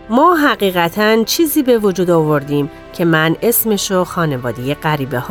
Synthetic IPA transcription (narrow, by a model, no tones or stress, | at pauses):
mɒːɦæɣiːɣæt̪ʰænt͡ʃʰiːziːbe̞vod͡ʒuːd̪ovo̞ɾd̪iːm | cʰe̞mæne̞sme̞ʃoxɒːne̞vɒːd̪ejeɢæɾiːbehɒ